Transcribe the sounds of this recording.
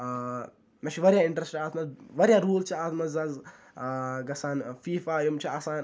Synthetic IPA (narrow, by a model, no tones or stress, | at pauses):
nɐʃʰiʋɐɾjaɪɳʈɾesʈiaːt̪ʰmɐzʋɐɾʲjaɾuːlt͡ʃʰiaːt̪ʰmɐzɐz | ɡɐsaːnfiːfaːjɐmt͡ʃʰiaːsaːn